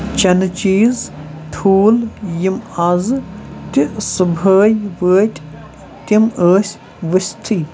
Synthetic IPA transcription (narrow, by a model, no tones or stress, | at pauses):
t͡ʃɐnɨt͡ʃiːzt̪ʰuːljimɐzt̪isɨbʱəːjʋəːtʰʲ | t̪iməːsʲ | ʋɨsʲt̪ʰiː